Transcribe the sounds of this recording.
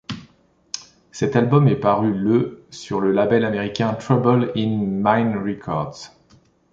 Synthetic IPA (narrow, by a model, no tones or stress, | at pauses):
sɛt̪albɔmɛpaʁyləsyʁləlabɛlameʁikʲɛ̃t̪χabɔlinmajnʁikʰɔ̰ʁd̪z̥